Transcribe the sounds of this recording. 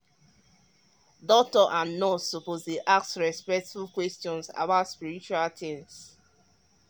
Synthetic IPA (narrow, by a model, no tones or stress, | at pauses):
dɔk̚tɔʔãnːɔsopozdeʔak̚tsɹɛspɛk̚tfulkwɛstɔ̃nsa̰baʊtspiɾit͡ʃualtʰɪ̃ms